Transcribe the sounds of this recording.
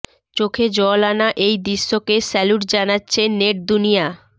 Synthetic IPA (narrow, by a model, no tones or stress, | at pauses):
t͡ɕokʰed͡ʑɔlanaʔejd̪iʃːokesɛluʈd͡ʑanatːɕʰeneʈ̚d̪unija